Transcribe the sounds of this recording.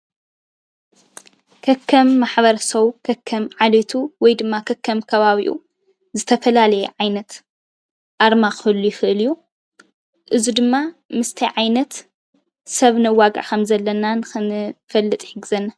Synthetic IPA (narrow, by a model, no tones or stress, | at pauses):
kʰɐkʰːɐmːaħbɐɾɐsɐwkʰɐkʰːɐmʕalet̪ʰuwɔjd̪ɨmːakʰɐkʰːɐmkʰɐβaβiʔṵ | zɨt̪ʰɐfɐlalɐjɛʕajnɐt̪ | ʔaɾmaxɨhɨlːujɪxɨʔɨljːu | ʔɨzid̪ɨmːamɨst̪ʰɐjʕajnɐt̪ | sɐβnɐwːaɡa̰kʰɐmzɐlːɐnanɨxɨnɨfɐlːɨt̪ʼħɨɡɨzɐnːa